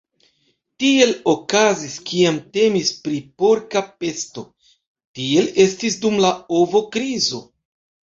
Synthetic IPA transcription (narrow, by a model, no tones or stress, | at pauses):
tie̞lo̞kaziskiamte̞mispɾipo̞ɾkape̞sto̞ | tie̞le̞stisdumlaovo̞kɾizo̞